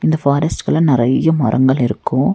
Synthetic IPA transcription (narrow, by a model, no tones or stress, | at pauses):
ɪnd̪ɐfaːɾɐsʈkɐɭɐnɪɾɐjɐmɐ̰ɾʔɐ̰ŋɡɐɭɪɾɯkːʊ̃